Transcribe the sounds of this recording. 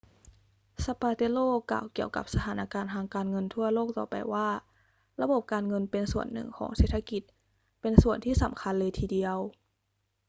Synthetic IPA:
sa˧paː˧t̪e˧˥loː˥˩ka̰ː˨˩wki˨˩əwka̰˨˩p̚sa˧t̪ʰaː˩˦nʔa˧kaː˧nt̪ʰaː˧ŋkaː˧nŋɤ˧nt̪ʰu˥˩ɐloː˥˩k̚t̪ɔ̰ː˨˩pa̰˧jwaː˥˩ | ɾa˧bo˨˩p̚kaː˧nŋɤ˧npe˧nsu˨˩ənːɯ̰˨˩ŋkʰɔ̰ː˩˦ŋse˨˩t̪ʰa˧ki˨˩t̪̚ | pe˧nsu˨˩ənt̪ʰiː˥˩sa˩˦mkʰa˧nlɤː˧jt̪ʰiː˧di˧əw

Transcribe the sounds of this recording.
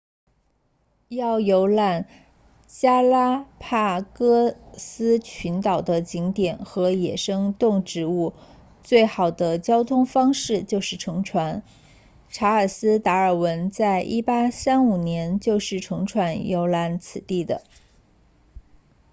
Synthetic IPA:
jɑ˥˩ʊjo˧˥ʊla˥˩n | t͡ɕja˥la˥pʰa˥˩kɤ˥sɹ̩˥t͡ɕʰy˧˥nt̪ɑ˨˩ʊd̪ə˦t͡ɕi˧˥ŋt̪jɛ˨˩nxɤ˧˥jɛ̰˨˩ʂɤ˥ŋt̪ʊ˥˩ŋʈ͡ʂɻ̩˧˥u˥˧ | t͡swe˥˩ɪxɑ˨˩ʊd̪ə˦t͡ɕjɑ˥ʊt̪ʰʊ˥ŋfɑ˥ŋʂɻ̩˥˧t͡ɕjo˥˧ʊʂɻ̩˥˩ʈ͡ʂʰɤ˧˥ŋʈ͡ʂʰwa˧˥n | ʈ͡ʂʰa˧˥ə˞˨˩sɹ̩˥t̪a˧˥ə˞˨˩wə˧˥nt͡sa˥˧˩ɪʔi˥˩pa˥sa˥nu˨˩njɛ˧˥nt͡ɕjo˥˧ʊʂɻ̩˥˩ʈ͡ʂʰɤ˧˥ŋʈ͡ʂʰwa˧˥njo˧˥ʊla˧˥nt͡sʰɹ̩˨˩t̪i˥˩d̪ə̰˩

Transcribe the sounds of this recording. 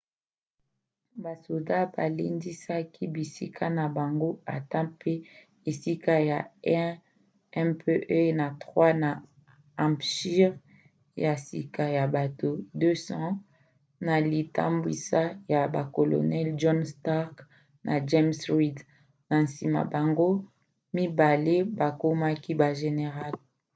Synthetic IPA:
ba˨so˨da˦ba˨li˦ndi˦sa˦ki˦bi˨si˦kʰa˦na˨ba˨ŋɡo˦a˨ta˦pe˦ | e˨si˦ka˦ja˨ɛ˦ | ɛ˦pʰe˦ʔe˦na˨tʁwa˦na˨ | ã˨mpʃi˦ʁ | ja˨sḭ˨ka˨ja˨ba˨to˨dø˦sɑ̃˦ | na˨li˨ta̰˦mbwi˨sa˦ja˨ba˨ko˨lo̰˨nɛ˦lʒɔ˦nsta˦ʁk | nʔa̰˨d͡ʒe˦msʁi˦d | na˨n̩˨si˨ma̰˨ba˨ŋɡo˦ | mi˦ba˨le˦ba˨ko˦ma˦ki˦ba˨ʒe˨ne˨ʁa˦˨l

